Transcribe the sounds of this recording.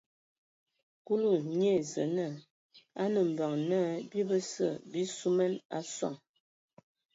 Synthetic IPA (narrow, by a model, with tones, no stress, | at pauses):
ku˦lu˦˨ɲ˦e˦˨zə˨nə˦˨ | a˦nə˨m̩˨bə˨ŋnə˦bi˦bə˦sə˦˨bi˦su˦mɛ˦na̰˦sɔ̰˦˨ŋ